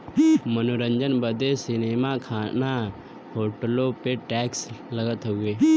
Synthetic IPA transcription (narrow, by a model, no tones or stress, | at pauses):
mənoɾə̃ɲd͡ʒənbəd̪esɪneːmakʰaːna | hoːʈlopeʈɛːksləɡət̪ɦoɡeː